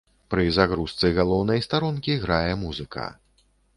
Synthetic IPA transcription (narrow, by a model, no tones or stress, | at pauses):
pɾɨzaɣɾust̪sɨɣalˠɔwnɐjst̪aɾɔnkʲiɣɾajɛmuzɨkʰɐ̰